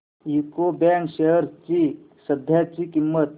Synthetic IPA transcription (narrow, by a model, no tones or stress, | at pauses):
jukobaŋkɕejəɾt͡ɕi | səd̪ʱjat͡ɕikimːət̪̚